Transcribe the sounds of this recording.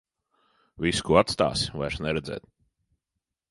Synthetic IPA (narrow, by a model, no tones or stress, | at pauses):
viskuːat̪st̪a̰ːsvajɾsnɛɾɛd̪zɛ̰ːt̪̚